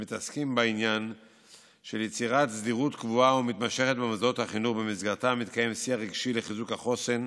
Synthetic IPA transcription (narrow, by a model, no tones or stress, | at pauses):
mit̪askimbainjan | ʃeljet͡siʁat̪sdiʁut̪kvuaumit̪maʃe̞χet̪̚bemazaothaχinuχbemizɡaʁt̪amit̪̚kaje̞msiaʁiɡʃileχizukhaχo̞se̞n